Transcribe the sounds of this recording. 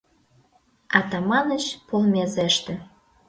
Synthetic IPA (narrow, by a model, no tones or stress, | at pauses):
ɑt̪ɑmɑnə̆t͡ɕpolmʲezeʃt̪ĕ